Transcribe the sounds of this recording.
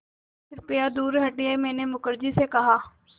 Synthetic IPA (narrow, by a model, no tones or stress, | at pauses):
pʰɪɾpɪjaːd̪uːɾɦəʈiaːemɛ̃ːneːmʊkəɾd͡ʒiːsekɐɦaː